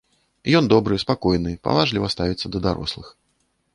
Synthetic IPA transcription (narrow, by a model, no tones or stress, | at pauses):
jɔnd̪ɔbɾɨspakɔjnɨpa̰vˠaʐlʲivɐst̪avʲit̪sːəd̪ɐd̪aɾʔɔ̰slˠɨx